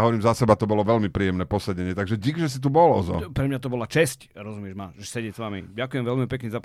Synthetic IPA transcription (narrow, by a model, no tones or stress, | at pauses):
ɔʋɔɾiːmzasɛbat̪ɔbɔlɔʋɛlmipɾiːjɛmnɛːpɔsɛɟɛɲɪɛt̪aɡʒɛɟiɡʒɛs̬it̪̬ubɔlɔ̰zɔ̰pɾɛmɲat̪ɔbɔlat͡ʃɛsc | ɾɔzumɪɛʒmaɛsɛɟɪɛsʋamḭɟakujɛmʋɛlmipɛkɲɛza